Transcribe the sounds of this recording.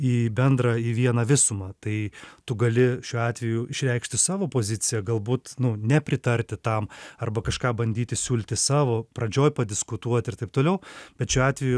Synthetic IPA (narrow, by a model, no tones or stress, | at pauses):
iːbʲɛnd̪ɾɐiːʋʲiɛnɐʋʲɪsʊmɐt̪ɐɪt̪ʊɡɐlʲɪʃʲuːɑːt̪ʲʋʲɛjuːɪʃʲɾʲɛɪkʃʲt̪ʲɪsɑːʋoːpoːzʲɪtt͡ssʲɪjɛɡɐlˠbuːt̪nʊnʲɛpʲɾʲɪt̪ɐɾʲt̪ʲɪt̪ɐmɐrbɐkɐʃkɑːbɐnʲd̪ʲiːt̪ʲɪsʲuːlʲt̪ʲɪsɑːʋoːpɾɐd͡ʒʲoːjpɐdʲɪskʊt̪uɔt̪ʲɪrt̪ɐɪp̚t̪oːlʲɛʊb̥ʲɛt̪ʃʲuːɑːt̪ʲʋʲɛju